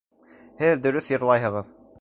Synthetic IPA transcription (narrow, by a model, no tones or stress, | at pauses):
hɘðd̪ɵ̆ɾɵθjɤ̆ɾlˠɑjɦɤ̆ʁɤð